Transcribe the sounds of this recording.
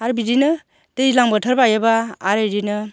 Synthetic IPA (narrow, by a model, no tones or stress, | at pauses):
aɾbiɾinɯ | tɯjilaŋbɔtʰaɾbajabaːɾajɾinɯ